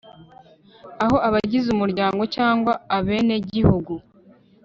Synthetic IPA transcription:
aɦo̞aβaɟizumuɾɟaːŋɡo̞caːŋɡwaːβe̞ːne̞ɟihuɡu

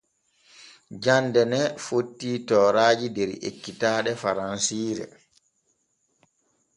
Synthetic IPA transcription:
d͡ʒandɛnɛfotːiːtɔːɾaːd͡ʒidɛɾḛkːitaːɗɛfaɾansiːɾɛ̰

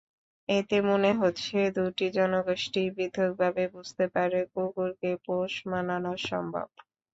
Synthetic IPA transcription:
et̪emoneɦotːɕʰed̪uʈid͡ʑɔnoɡoʃʈibid̪ʱːok̚bʱabebud͡ʑʱt̪epaɾekukuɾkepoʃmananoʃɔ̰mbʱa̰b̚

